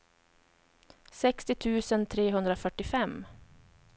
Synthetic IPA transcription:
sɛkst̪ɪt̪ʰʉ̟ːsənt̪ʰɾeːɦɵnd̪ɾafœʈːɪfɛmː

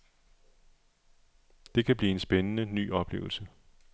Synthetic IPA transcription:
d̥e̝kʰæb̥liːe̝nsb̥enənəny̰ːɒ̽b̥le̝̰ːʊl̩sə

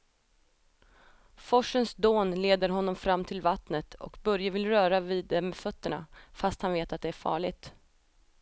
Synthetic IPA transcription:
fɔʂːənsd̪oːnleːd̪əɾɦɔnːɔmfɾamːt̪ʰɪlvat̪nət̪ʰɔ̰kbœɾjavɪlɾœːɾaviːd̪ːɛmeːd̪fœt̪ːəɳa̰fast̪hanveːt̪at̪̚d̪ɛæɾfɑ̰ːɭɪɡ̚t̪

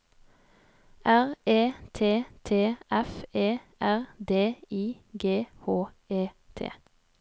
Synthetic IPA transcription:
ʔæʁeːt̪ʰeːt̪ʰeːʔɛfeːʔæʁd̪eːiː | ɡeːhoː | eː | t̪ʰḛː

